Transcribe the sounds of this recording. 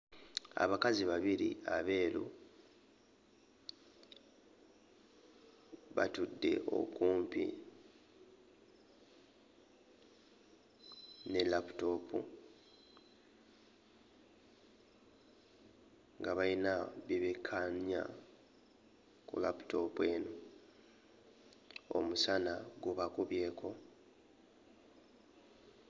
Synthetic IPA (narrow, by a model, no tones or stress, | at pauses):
a̰βakaziβaβiɾḭaβe̞ːlṵ | βa̰tudːe̞̰ʔo̞̰kuːmpḭ | ne̞lapu̥to̞pʰṵ | ŋɡaβainaβiβekʰːanja̰ | kṵlapu̥to̞pwe̞ːno | o̰musanaɡuβakuβje̞ːko̞